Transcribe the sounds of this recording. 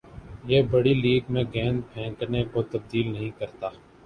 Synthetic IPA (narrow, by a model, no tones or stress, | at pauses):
jeːbəɽiliːɡmẽɡɛ̃ːnd̪̚pʰɛ̃ːknekot̪əb̚d̪iːlnəɦĩkəɾt̪aː